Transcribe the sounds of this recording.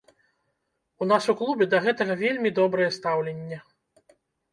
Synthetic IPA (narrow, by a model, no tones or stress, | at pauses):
unasuklˠubʲɛd̪ɐɣɛt̪ɐɣɐvʲelʲmʲid̪ɔbɾɐjɛst̪awlʲenʲːɐ